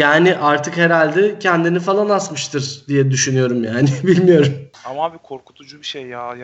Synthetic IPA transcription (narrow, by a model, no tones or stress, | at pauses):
jaːnɪʔaɾt̪ʰɯkhe̞ɾalʲd̪ɛcʰɛnd̪inifalˠanasmɯʃt̪ʰɯɾd̪ijɛd̪yʃynyjo̞ɾumjaːnɪbilʲmijo̞ɾumambikʰoɾku̥t̪ʰud͡ʒubiʃejːa